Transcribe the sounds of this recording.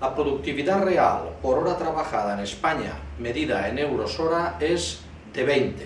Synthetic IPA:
apɾoðuk̚t̪iβiðarea̰lpoɾoɾat̪ɾaβaxað̞aenespaɲa̰ | meðiðaenewɾosoɾaez | d̪eβent̪e

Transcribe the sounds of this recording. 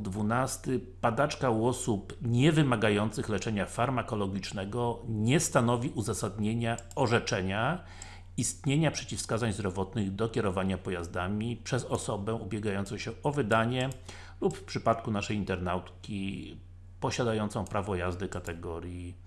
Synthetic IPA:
d̪vunast̪ɘpad̪at͡ʂkawɔsupɲɛvɘmaɡajɔnt̪sɘxlɛt͡ʂɛɲafaɾmakɔlɔɡʲit͡ʂnɛɡɔɲɛst̪an̪ɔvʲiʔuzasad̪ɲeɲa | ɔʐɛt͡ʂɛɲa | ist̪ɲeɲapʂɛt͡ɕifskazaɲzd̪ɾɔvɔt̪nɘɣd̪ɔkʲɛɾɔvaɲapɔjazd̪amʲipʂɛzɔsɔbɛʔubʲjɛɡajɔnt̪sɔ̃w̃ɕɛɔvɘd̪aɲɛ | lupfpʂɘpat̪kunaʂɛjint̪ɛɾnawt̪kʲi | pɔɕad̪ajɔnt̪sɔ̃w̃pɾavɔjazd̪ɘkat̪ɛɡɔɾʲji

